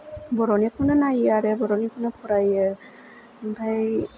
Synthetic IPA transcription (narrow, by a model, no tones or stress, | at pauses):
bɔɹɔnikʰunɔnajaɹɛbɔɹɔnikʰunɔpʰɔɹajɛ | bʱaj